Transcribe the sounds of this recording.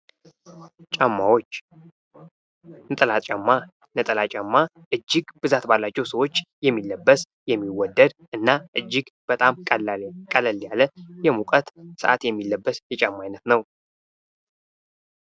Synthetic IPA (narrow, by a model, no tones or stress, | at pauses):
t͡ʃʼamːawot͡ʃː | nɨt̪ʼəlat͡ʃʼamːa | nɨt̪ʼəlat͡ʃʼamːa | ʔɨd͡ʒːɪɡb̥ɨzat̪balːat͡ʃːɛwsəwo̞t͡ʃːjɛmːilːəbːəs | jɛmːiwɔd̪ːəd̪ʔɨnːaʔɨd͡ʒːɪɡb̥ət̪ʼamʼkʼələljaləjɛmukʼət̪sɨ̰ʔa̰t̪jɛmːilːəbːəsjɛt͡ʃʼamːajnət̪nəw